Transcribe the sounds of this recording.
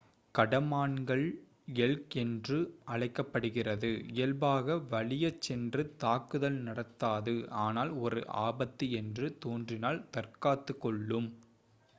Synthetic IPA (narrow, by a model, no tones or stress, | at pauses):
kɐɽɐmaːɳɡɐɭ | ɛɭkɛndrɯʔɐɭɐɪkːɐpːɐɽɯɣɪrɐðɯɪjɐlbaːɣɐʋɐɭɪjɐt͡ʃːɛndrɯt̪aːkːɯðɐlnɐɽɐt̪ːaːðɯaːnaːlɔɾɯ̰ʔa̰ːbɐt̪ːiɛndrɯt̪oːndrɪnaːlt̪ɐrkaːt̪ːɯkːɔɭːɯm